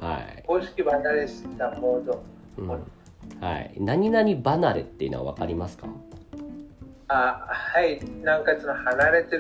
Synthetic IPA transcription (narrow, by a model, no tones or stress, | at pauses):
ha̰ikoːɕi̥kʲibaad̪esɨ̥d̪amoːd̪õ | ha̰ḭnaɲ̟inaɲ̟ibanaɾet̪ːeiɯ̟̰noa̰βa̰kaɾʲimasɨ̥ka̰ | ahainãŋkat͡sɨnohanaɾe̞t̪e